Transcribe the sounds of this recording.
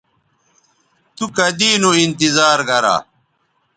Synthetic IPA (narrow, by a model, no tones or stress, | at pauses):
t̪ukɐd̪iːnuint̪izaːɾɡɐɾa̰ː